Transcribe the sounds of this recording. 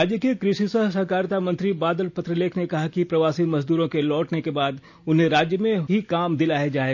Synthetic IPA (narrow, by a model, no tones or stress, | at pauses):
aːd͡ʒjəkekɾɪʃisəɦsɐɦkaːɾt̪amɐ̃nt̪ɾibaːd̪əlpɐt̪ɾəleːkʰnekɐɦakipɾɐʋaːsimɐzd̪uːɾõkelɔːʈnekebaːd̪ | ʊnɦẽɾaːd͡ʒjəmẽɦikaːmd̪ɪlaːed͡ʒaːe